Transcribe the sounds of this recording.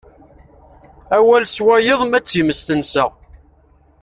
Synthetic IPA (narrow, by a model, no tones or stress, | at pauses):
æwælswæjəðˤmæt͡sːiməst̪ənsə